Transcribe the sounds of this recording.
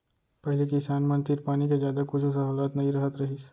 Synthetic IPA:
pɛɦlekɪsaːnmɐ̃nt̪ɪɾpaːnik̬ezjaːd̪akʊt͡ʃʰsɐɦuːlaːt̪nɐɦĩɾɐɦət̪ɾɐɦis

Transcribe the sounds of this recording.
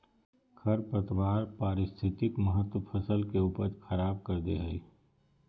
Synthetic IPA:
kʰɐɾpɾət̪ʋaːɾpaːɾɪst̪ʰɪt̪ɪkmɐɦət̪wəpʰɐsəlkeuːpəɾxʰɐɾaːb̚kɐɾd̪ḛɦəḭː

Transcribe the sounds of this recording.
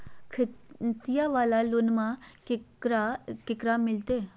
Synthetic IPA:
kʰɪt̪ijaʋaːlalʊnmã | ɾakɪkɾamɪlt̪eː

